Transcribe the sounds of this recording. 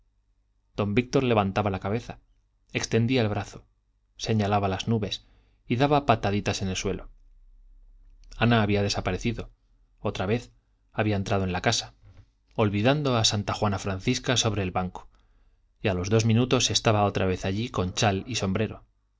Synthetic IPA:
d̪̥o̞mbik̚t̪o̞ɾle̞βant̪aβalakaβe̞θa | e̞kst̪e̞nd̪iaelβɾaθo̞ | se̞ɲalaβalaznuβe̞s | iðaβapat̪aðit̪ase̞ne̞lswe̞̰lo̞ | anaːβiað̞e̞sapaɾe̞θiðo̞ | o̞t̪ɾaβe̞θ | aβiaent̪ɾaðoe̞nlakasḁ | o̞lβiðand̪o̞asant̪axwanafɾanθiskaso̞βɾe̞ːlβaŋko̥ | jalo̞zðo̞zmĩnut̪o̞se̞st̪aβao̞t̪ɾaβ̞e̞θaʎiko̞nt͡ʃaliso̞mbɾe̞ɾo̞

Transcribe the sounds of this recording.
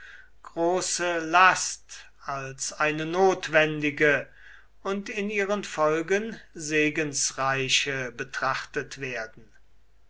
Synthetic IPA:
ɡ̥ʁoːsəlast | alsaɪnənoːtv̥ɛndɪɡə | ʊntɪniːʁənfɔlɡənzeːɡənsʁaɪʃəbətʁ̥aχtətv̥eːɐdn̩

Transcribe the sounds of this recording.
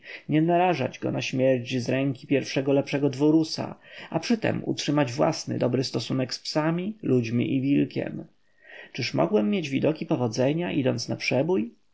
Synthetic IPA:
ɲɛnaɾaʐa̰d͡ʑɡɔ̰naɕmʲjɛɾt͡ɕzɾɛŋkʲipʲjɛɾfʂɛɡɔlɛpʂɛɡɔd̪vɔɾusa̰apʂɘt̪ɛ̰mṵtʂɘmad͡ʑvwa̰snɘ̰d̪ɔbɾɘst̪ɔsunɛkspsamʲilud͡ʑmʲḭʔivʲilkʲɛ̰m | t͡ʂɘʂmɔ̰ɡwɛmːjed͡ʑvʲid̪ɔkʲipɔvɔd̪zɛɲaʔid̪ɔnt̪snapʂɛbuj

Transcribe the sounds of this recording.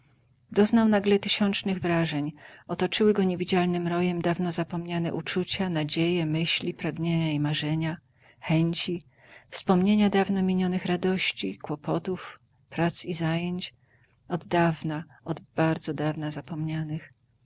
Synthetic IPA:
d̪ɔznawnaɡlɛt̪ɘɕɔnt͡ʂnɘɣvɾaʐɛɲɔt̪ɔt͡ʂɘwɘɡɔɲevʲid͡ʑalnɘmɾɔjɛmd̪avnɔzapɔmɲanɛ̰ʔut͡ʂut͡ɕanad͡ʑejɛmɘɕlʲipɾaɡɲeɲaimaʐɛɲa | xɛɲt͡ɕi | fspɔmɲeɲad̪avnɔmʲiɲɔnɘxɾad̪ɔɕt͡ɕikwɔpɔt̪uf | pɾat̪sizajeɲt͡ɕ | ɔd̪ːavna | ɔd̪baɾd̪zɔd̪avnazapɔmɲanɘx

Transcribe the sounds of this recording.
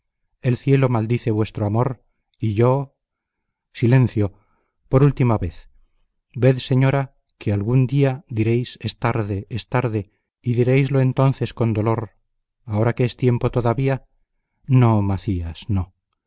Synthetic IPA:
e̞lθje̞lo̞mald̪iθe̞βwe̞st̪ɾoamo̞ɾ | iʝo̞ | silẽ̞n̟θjo̞ | po̞ɾult̪imaβe̞θ | be̞ðse̞ɲo̞ɾa | kʰealɣund̪iad̪iɾe̞jsest̪aɾðeest̪aɾðe | iðiɾe̞jzloent̪o̞nθe̞sko̞nd̪o̞lo̞ɾ | ao̞ɾakeest̪je̞mpo̞t̪oðaβia | nomaθiasno

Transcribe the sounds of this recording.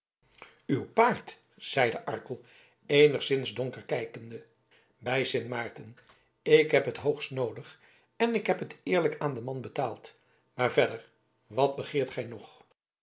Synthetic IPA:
ywpaːɹt | z̥ɛjdəʔɑ̰ɹkəlˠ | ejnəχsɪnzdɔŋkərkɛjkəndə | bɛjsɪnmaːɹtən | ɪkɦɛpɦətɦowχstnowdəχ | ɛnɪkɦɛpɦətɪːɹləkaːndəmɑnbətaːlˠt | maːɹvɛdəɹ | ʋɑd̚bəχɪːɹtχɛjnɔχ

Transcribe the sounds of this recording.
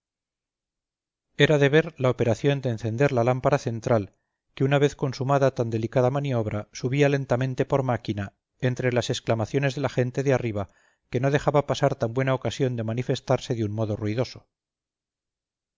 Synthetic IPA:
e̞ɾaðe̞βe̞ɾlaope̞ɾaθjo̞nd̪eːnθe̞nd̪e̞ɾlalampaɾaθe̞nt̪ɾal | ke̞unaβe̞θko̞nsumaðat̪and̪e̞likaðamanio̞β̞ɾasuβiale̞nt̪amẽ̞nt̪e̞po̞ɾmakina | e̞nt̪ɾe̞lase̞sklamaθjo̞ne̞zðe̞laxe̞nt̪e̞ðeariβa | ke̞no̞ð̞e̞xaβapasaɾt̪ambwe̞nao̞kasjo̞nd̪e̞manife̞st̪aɾse̞ðeunmo̞ðo̞ruiðo̞so̞̥

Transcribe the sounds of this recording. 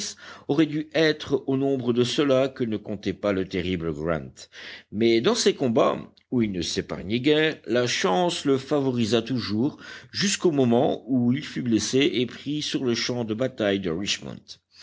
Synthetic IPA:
sɔʁɛd̪yɛt̪χonɔ̃bʁəd̪əsəlakənəkɔ̃t̪ɛpalət̪eʁibləɡʁɛ̰̃nt̪mɛd̪ɑ̃sekɔ̃ba̰ | uilnəsepa̰ʁɲɛɡʲɛːʁlaʃɑ̃sləfavɔʁizat̪uʒuːʁʒyskomɔmɑ̃uilfybleseʔepχisyʁləʃɑ̃d̪əbat̪ajd̪əʁit͡ʃmɔ̰̃nt̪

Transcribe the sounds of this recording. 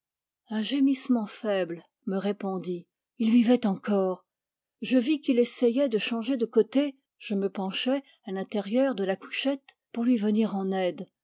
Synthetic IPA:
ɛ̃ʒemismɑ̃fɛbl | məʁepɔ̃d̪i | ilvivɛt̪ɑ̃kɔːʁ | ʒəvikilesɛjɛd̪əʃɑ̃ʒed̪əkot̪e | ʒ̥əməpɑ̃ʃɛ | alɛ̃t̪ɛʁjœʁd̪əlaku̥ʃɛt̪ | puʁlɥivəniʁɑ̃nɛd̪

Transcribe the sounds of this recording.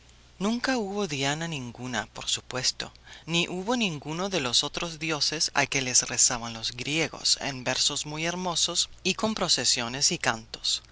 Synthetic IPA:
nũŋkauβo̞ðjananĩŋɡuna̰po̞ɾsu̥pwe̞st̪o̞̰niʔuβo̞nĩŋɡuno̞ðe̞lo̞sot̪ɾozðjo̞sesa̰lkelesresaβanlo̞zɡɾje̞ɣo̞̰sḛnbeɾsozmujeɾmo̞so̞siko̞mpɾo̞sesjo̞ne̞sikant̪o̥s

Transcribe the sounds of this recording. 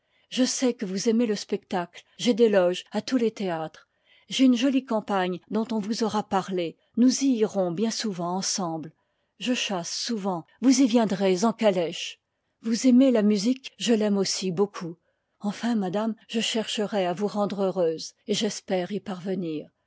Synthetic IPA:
ʒəsɛkəvuzemeləspɛk̚t̪aklʒed̪elɔʒat̪ulet̪eat̪χ | ʒeynʒɔlikɑ̃paɲd̪ɔ̃t̪ɔ̃vuzɔʁapaʁle | nuziːʁɔ̃bjɛ̃suvɑ̃ːɑ̃sɑ̃bl | ʒəʃasːuvɑ̃vuzivjɛ̃d̪ʁezɑ̃kalɛʃ | vuzemelamyzikʒəlɛmosibokʰu | ɑ̃fɛ̃mad̪amʒəʃɛʁʃəʁɛavuʁɑ̃d̪ʁøʁøzeʒɛspɛʁipaʁvəniːʁ

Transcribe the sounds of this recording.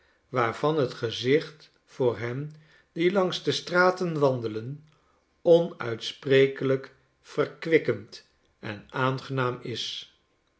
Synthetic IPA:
ʋaːrv̥ɑnɦətχəzɪχt | fʊːɹɦɛm | dilɑŋzdəstraːtənʋɑndələn | ɔnœ̰ɥtsprejkələk | fərkʋɪkənt | ɛ̰naːnχənaːmɪs

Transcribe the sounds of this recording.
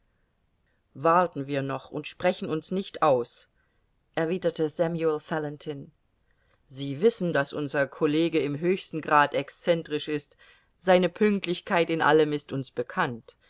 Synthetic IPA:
vaɐtn̩viːɐnɔχʊ̰ntʃpʁ̥ɛçn̩ʊnsnɪçtʔaʊs | ʔɛɐviːdɐtəzɛmjuɛlfɛlɛntʰɪn | ziːvɪsn̩dasʔʊnzɐkʰɔleːɡəɪmɦøːçstn̩ɡʁaːtɛkst͡sɛntʁ̥ɪʃɪst | z̥aɪnəpʰʏŋk̚tlɪçkʰaɪtɪnʔa̰ləmɪstʊnsb̥əkʰant

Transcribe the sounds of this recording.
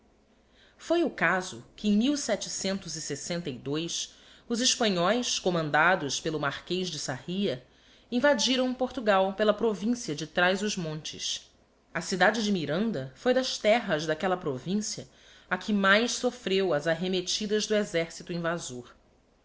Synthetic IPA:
fojʊkazʊkɪẽj̃miwsɛt͡ʃɪsẽnt̪ʊzisesẽnt̪ɐjd̪ojs | ʊzɪʃpɐ̃ɲɔjskomɐ̃nd̪ad̪ʊʃpelʊmaɾkejʒd͡ʒɪsahiɐ | ĩvad͡ʒiɾɐ̃w̃poɾt̪uɡawpelɐpɾovĩsiɐd͡ʒɪt̪ɾajzʊʒmõnt͡ʃɪ̰s | ɐsid̪ad͡ʒɪd͡ʒɪmiɾɐ̃nd̪ɐfojd̪ɐʃt̪ɛɦɐzd̪akɛlɐpɾovĩsiɐ | akʰɪmajʃsofɾewɐzaɦemet͡ʃid̪ɐzd̪ʊezɛɾsit̪uĩvazoɾ

